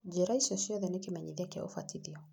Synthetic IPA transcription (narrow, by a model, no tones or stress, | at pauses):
d͡ʒeɾaisjɔsiɔðɛnekemɛɲiɣɛkɛ̰o̰fatiðiɔ